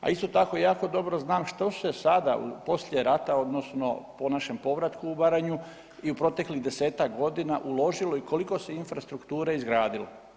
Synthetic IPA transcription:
a̰ist̪ot̪ako̞jaːko̞d̪o̞bɾoznaːmʃt̪o̞se̞sad̪aṵpo̞sʎjeɾat̪ao̞d̪nosno̞̰po̞naʃe̞mpo̞ʋɾat̪kuubaɾaɲu | iupɾo̞t̪e̞kliɣd̪e̞se̞ːt̪akɡo̞d̪inaʔulˠo̞ʒilo̞iko̞liko̞se̞infɾast̪ɾukt̪uːɾeizɡɾaːd̪ilo

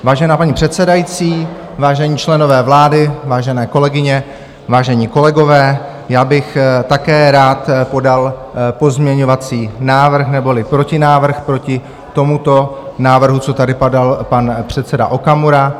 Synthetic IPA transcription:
vaːʒɛnaːpaɲiːpr̥ɛt̪sɛdajit͡siː | vaːʒɛɲiːt͡ʃlɛno̞vɛːvlaːdɪvaːʒɛnɛːko̞lɛɡɪɲɛ | vaːʒɛɲiːko̞lɛɡo̞vɛː | jaːbɪxt̪akɛːɾaːt̪po̞dal | po̞zmɲɛɲo̞vat͡siːnaːvr̩xnɛbo̞lɪpɾo̞cɪnaːvr̩xpɾo̞cɪ | t̪o̞mut̪o̞naːvr̩ɦut͡so̞t̪adɪpadalpanpr̝̥ɛt̪sɛda̰ʔo̞kamuɾa

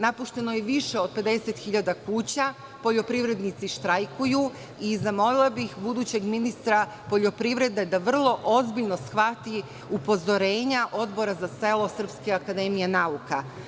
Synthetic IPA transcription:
napuʃt̪e̞no̞jeʋiʃe̞o̞d̪̚pe̞d̪e̞se̞t̪xiʎad̪akuːt͡ɕa | po̞ʎo̞pɾiʋɾe̞d̪nit̪siʃt̪ɾajkuju | izamo̞lilˠabixbud̪uːt͡ɕe̞ɡminist̪ɾa | po̞ʎo̞pɾiʋɾe̞d̪ed̪aʋr̩lˠo̞ʔo̞zbiʎno̞sxʋat̪i | upo̞zo̞ɾe̞ːɲaʔo̞d̪bo̞ɾazase̞lˠo̞sr̩pskeakad̪e̞mijenauka

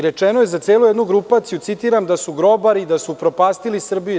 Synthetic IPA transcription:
ɾe̞t͡ʃenojezat̪seːlujɛd̪nuɡɾupat̪sijut̪sit̪iɾamd̪asuɡɾo̞baɾid̪asupɾopaːst̪ilisr̩biju

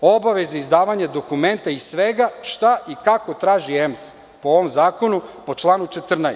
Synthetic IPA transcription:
o̞baʋezeizd̪aːʋaɲad̪o̞kument̪aisʋeɡaʃt̪aʔikako̞t̪ɾaːʒiems | pooʋomzaːkonupo̞t͡ʃlˠaːnut͡ʃet̪r̩najs

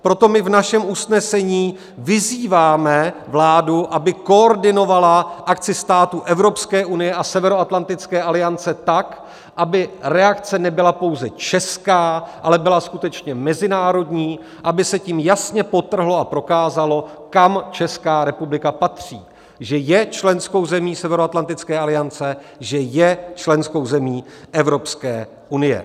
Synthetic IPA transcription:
pɾo̞t̪o̞mɪvnaʃɛmusnɛsɛɲiː | vɪziːvaːmɛvlaːduʔabɪko̞oɾdɪno̞valaʔak̚t͡sɪst̪aːt̪uʔɛvɾo̞pskɛːʔunɪjɛʔasɛvɛɾoat̪lant̪ɪt͡skɛːʔalɪjant͡sɛt̪ak | ʔabɪɾɛakt͡sɛnɛbɪlapo̞wzɛt͡ʃɛskaːʔalɛbɪlaskut̪ɛt͡ʃɲɛmɛzɪnaːɾo̞dɲiː | ʔabɪsɛciːmjasɲɛpo̞t̪r̩ɦlo̞apɾo̞kaːzalo̞ | kamt͡ʃɛskaːɾɛpublɪkapat̪r̝̥ḭː | ʒɛjɛt͡ʃlɛnsko̞wzɛmiːsɛvɛɾoat̪lant̪ɪt͡skɛːalɪjant͡sɛ | ʒɛjɛt͡ʃlɛnsko̞wzɛmiː | ʔɛvɾo̞pskɛː | ʔunɪjɛ̰

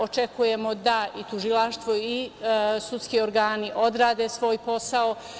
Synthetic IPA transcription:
o̞t͡ʃekujemo̞d̪ait̪uʒilaʃt̪ʋoisut̪skio̞ɾɡaːniʔo̞d̪ɾaːd̪e̞sʋo̞ːjpo̞sao

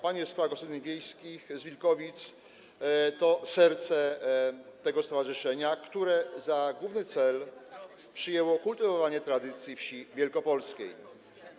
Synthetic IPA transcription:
paɲiɛskɔaɡɔst̪ɨnəvʲjejskʲixzvʲilkɔvʲit̪s | t̪ɔsɛɾt̪sɛ | t̪ɛɡɔst̪ɔvaʐɘʂɛɲakt̪uɾɛzaɡwuvnɘt̪sɛl | pʂɘjɛwɔkult̪ɘvɔvaɲɛt̪ɾad̪ɘt̪sʲjifɕivʲjɛlkɔpɔlskʲḛj

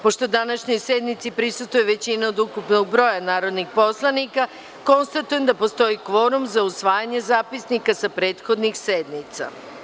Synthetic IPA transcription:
po̞ʃt̪od̪anaʃɲojsed̪nit̪sipɾisust̪ʋujeʋe̞t͡ɕinaod̪ukupno̞ɡ̚bɾo̞janaːɾo̞d̪nixpo̞slˠanika | ko̞nst̪at̪ujemd̪apo̞st̪o̞ikʋo̞ɾumzausʋaːjaɲe̞zaːpisnikasapɾe̞ːt̪xo̞d̪nixsed̪nit̪sa̰

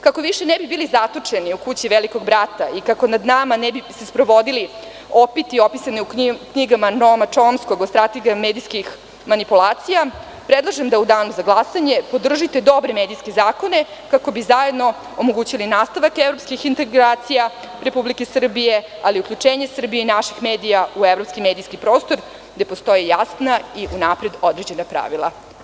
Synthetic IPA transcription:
kako̞ʋiʃenebibilizat̪ot͡ʂe̞niukut͡ɕiʋeliko̞ɡbɾat̪aikako̞nad̪namanɛbisespɾo̞ʋo̞d̪ili | opit̪io̞pisaniukɲiɡamanomat͡ʂomskoɡost̪ɾat̪eɡiameːd̪iskix | manipulˠaːt̪sija | pɾed̪lˠaʒemd̪aud̪aːnuzaɡlˠasaɲe̞po̞d̪r̩ʒit̪e̞d̪o̞bɾemeːd̪ijske̞zaːko̞ne̞ | kakobizaje̞d̪no̞ | omo̞ɡuːt͡ɕilinaːst̪aʋakevɾopskixint̪eɡɾaːt̪sija | ɾe̞publikesr̩bije̞aliukʎʲut͡ʂeːɲesr̩bieinaʃixmeːd̪ijauevɾo̞pskimed̪ijskipɾo̞ːst̪o̞ɾ | ɡd̪e̞post̪o̞jijasnaiʔunapɾe̞d̪od̪ɾe̞d͡ʑe̞napɾa̰ʋilˠa̰

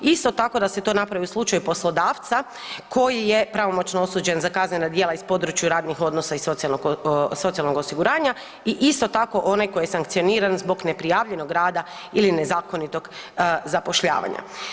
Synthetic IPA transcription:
ist̪o̞t̪ako̞d̪ase̞t̪o̞ːnapɾaʋiuslˠut͡ʃajupo̞slˠod̪aːʋt̪sa | kʰo̞jije̞pɾaʋo̞mot͡ʃnoosuːd͡ʑe̞nzakaznenad̪jeːlaispo̞d̪ɾut͡ʃjuɾaːd̪nixo̞d̪no̞saisot̪sialnoso̞t̪ialnoɡo̞siɡuɾaːɲa | iʔist̪o̞t̪ako̞ʔo̞najko̞jesaŋkt̪sio̞niːɾanzbo̞ɡne̞pɾijaːʋʎʲe̞no̞ɡɾaːd̪a | iline̞zaːko̞nit̪o̞ɡzapo̞ʃʎa̰ːʋa̰ɲa̰

